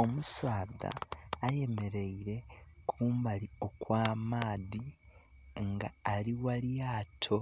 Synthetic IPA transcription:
o̞musaːða̰ːje̞me̞ɾe̞iɾe̞kʰuːmbalio̞kwaːmaːði | ŋɡa̰ːliwaljaːtʰo̞

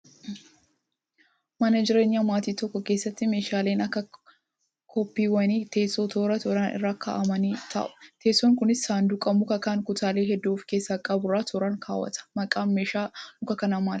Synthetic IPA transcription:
mɐnɐd͡ʒɪɾe̞ːɲːamaːt̪iːt̪ɔkːɔke̞ːsːɐt̪ːɪme̞ːʃaːle̞ːnɐkːɐ | kʰɔpːiːwɐniːt̪e̞ːsoːt̪ʰoːɾɐt̪ɔɾɐnʔɪ̰rːaːkʰa̰ːʔɐmɐniːt̪ʰɐ̰ʔʊ̥t̪ʰe̞ːsɔŋkʊnɪsːaːnd̪ʊkʼɐmʊkɐkaːŋkʊt̪aːle̞ːɦɛd̪ːuːfke̞ːsːaːkʼɐbʊɾaːt̪oɾɐŋkʰaːwɐ̰t̪ɐ̥mɐkʼaːmeːʃaːnʊkɐkɐnamaːl

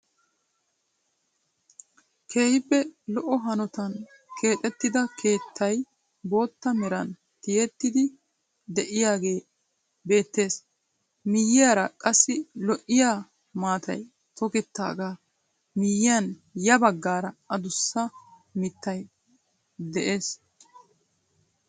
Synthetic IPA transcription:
kʰe̞ːhɪpːɛlɔʔɔɦɐnɔt̪ɐn | kʰe̞ːt̪ʼɛt̪ːɪd̪ɐkʰe̞ːt̪ʰːɐj | bo̞ːt̪ːɐmɛɾɐn | t̪ɪjɛt̪ːɪd̪ɪ | d̪ɛʔɪjaːɡe̞ː | be̞ːt̪ːe̞ːs | mɪjɪjaːɾɐkʼɐsːɪlɔʔːɪjaː | maːt̪ʰɐ̰j | t̪ʰɔkɛt̪ːa̰ːɡaː | mɪjːɪjɐn | jɐbɐɡːaːɾɐɐd̪ʊsːɐ | mɪt̪ːɐj | d̪ɛʔe̞ːs

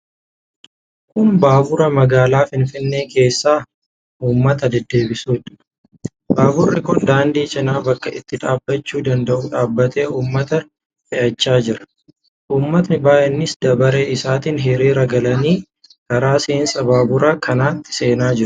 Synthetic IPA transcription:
kʊnbaːbʊɾɐmɐɡaːlaːfɪnfɪnːe̞ːkʰe̞ːsːaː | ʔuːmːɐt̪ɐd̪ɛd̪ːe̞ːbɪsuːᶑ̪ɐ̥ | baːbʊrːɪ̰kʊnd̪aːnd̪iːt͡ʃʼɪnaːbɐkːɐʔɪt̪ːɪᶑaːbːɐt͡ʃːuːd̪ɐnd̪ɐʔuːᶑaːbːɐt̪e̞ːuːmːɐt̪ɐ | fɪʔɐt͡ʃːaːd͡ʒɪɾɐ̥ | ʔuːmːɐt̪nɪbaːʔɛnːɪsd̪ɐbɐɾe̞ːʔɪsaːt̪iːnɦɪɾiːɾɐɡɐlɐniː | kɐɾaːseːnsʼɐbaːbʊɾaːkʰɐnaːt̪ːɪ̥se̞ːnaːd͡ʒɪɾʊ̥

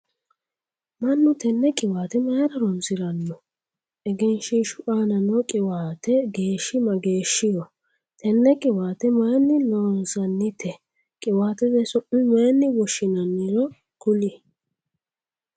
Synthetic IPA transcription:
mɐnːʊt̪ɛnːɛkʼɪwaːt̪ɛmɐːɾɐɾɔnsɪɾɐnːɔ | ɛɡɛnʃɪʃʊʔaːnɐnɔkʼɪwaːt̪ɛɡe̞ːʃːɪmɐɡe̞ːʃːɪjɔ | t̪ɛnːɛkʼɪwaːt̪ɛmɐnːɪlɔnsɐnːɪt̪ʰɛ | kʼɪwaːt̪ɛd̪ɛsɔʔʊmaːnːɪwɔʃːɪnɐnːɪɾɔ | kʊlɪ

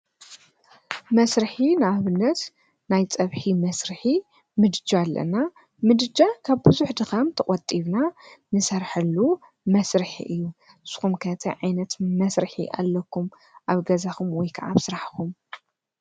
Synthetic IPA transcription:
mɐsɾɨħinɨaβɨnːɐt̪ | najt͡sʼɐβħimɐsɾɨħi | mɨd̪ɨd͡ʒaalːɐ̰na | mɨd̪ɨd͡ʒakʰaβbɨzuħd̪ɨxɐmt̪ʰɐkʼɔt̪ʼiβnanɨsɐɾħɐlːu | mɐsɾɨħḭʔɨjːu | ɨz̥xumkʰnt̪ʰɐʕajnɐt̪mɐsɾɨħḭʔa̰lːɐkʰːum | ʔaβɡɐzaxumwɔjkʰaʔaβsɨɾaħkʰum

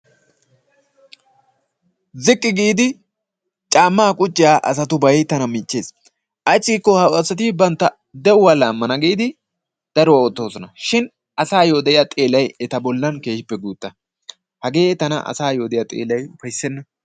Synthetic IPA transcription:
zɪkʼːɪɡiːd̪ɪ | t͡ʃʼaːmːaːkʼʊt͡ʃʼːɪjaːʔɐs̬ɐt̪ʊbɐjt̪ɐnɐmiːt͡ʃːe̞ːs | ʔɐt͡sʼːiːkːɔhɐʊɐsːɐt̪ibɐnt̪ːɐ | d̪ɛʊwalaːmːɐnɐɡiːd̪ɪ | d̪̥ɐɾɔwɐɔt̪ːoːsɔnɐʃɪn | ʔɐsaːjo̞ːd̪ɛɪjat̪ʼe̞ːlɐjɛt̪ɐbɔlːɐnke̞ːʃɪpːɛɡuːt̪ʼːɐ | hɐɡe̞ːɛt̪ɐnɐ̰ʔɐ̰saːjoːd̪ɛjɐt̪ʼḛːlɐjʊfɐjsːɛnːɐ

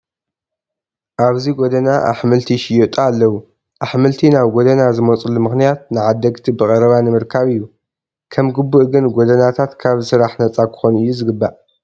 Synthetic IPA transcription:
ʔaβziɡod̪ɐnaʔa̰ħmɨlt̪ʰiʃɪjot̪ʼaːlːɐwu | ʔaħmɨlt̪ʰinaβɡod̪ɐnazɨmot͡sʼulumɨxnijat̪̚nɨʕad̪ːɐɡt̪ʰibɨkʼɐɾɐβanɨmɨɾkʰaβɨjːu | kʰɐmɡɨbːuʔɡɨnɡod̪ɐnat̪ʰat̪kʰaβsɨɾaħnɐt͡sʼakʰɨ̥xo̞nɨjːuzɨɡɨbːaʔ

